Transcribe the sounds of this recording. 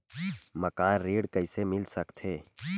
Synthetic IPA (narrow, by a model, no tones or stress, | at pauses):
mɐkaːnɾeːɽkəɪsemɪlsɐkt̪ʰeː